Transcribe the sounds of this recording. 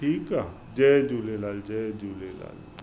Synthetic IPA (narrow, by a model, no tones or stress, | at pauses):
ʈʰiːka | d͡ʒɛd͡ʒuːlelaːld͡ʒɛd͡ʒulela̰ːl